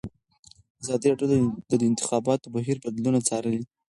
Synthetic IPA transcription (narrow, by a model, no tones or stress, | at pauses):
azɑd̪iɾɑɖjod̪d̪d̪əɪnt̪ɪ̥xɑbɑt̪obaɦiɾbad̪lunat͡sɑɾəli